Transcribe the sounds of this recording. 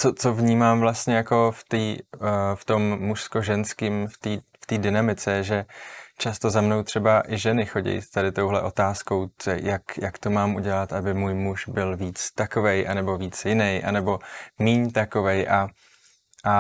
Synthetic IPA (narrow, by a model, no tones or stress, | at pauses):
t͡sot͡so̞vɲiːmaːmvlast̪ɲɛjako̞ft̪iːft̪o̞mːuʃsko̞ʒɛnskiːmft̪iːft̪iːdɪnamɪt͡sɛjɛʒɛt͡ʃast̪o̞zamno̞wt̪r̝̥ɛbaʔɪʒɛnɪxo̞ɟɛ̰jt̪adɪt̪o̞wɦlɛʔo̞t̪aːsko̞wjakjakt̪o̞maːmʔuɟɛlat̪ʔabɪmuːjmuʃbɪlviːt͡st̪akovɛjʔa̰nɛbo̞viːt͡sjɪnɛjʔa̰nɛbo̞miːɲt̪ako̞vɛjʔa | ʔa